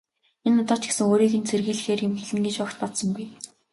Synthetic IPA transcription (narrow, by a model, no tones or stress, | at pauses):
enʊt̪ɔːt͡ɕɡe̥sɘ̆ŋoːɾiːɣɘ̆nt͡sʰerɣiːɮ̆xeːrjemxɘɮɘ̆ŋɡet͡ɕʊːkt̪̚pɔt̪sɞ̆ŋɡuj